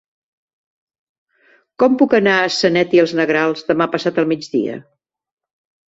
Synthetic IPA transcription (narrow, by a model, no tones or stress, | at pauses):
kɔmpukənaəsənɛt̪iəlˠznəɣɾalˠzðəmapəsat̪əlˠmid͡ʒðḭə̰